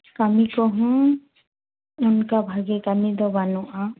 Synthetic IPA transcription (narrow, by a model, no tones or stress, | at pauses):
kamikɔɦɔ̃ | unkabʱaɡɛkamid̪ɔbanɔʔa